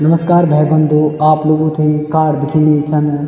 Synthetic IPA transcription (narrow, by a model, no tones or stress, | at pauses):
nɐməskaːɾbʱɛːbə̃nd̪ʱoaːploːɡõt̪ʰikaːɽd̪ɪkʰinet͡ʃʰɐn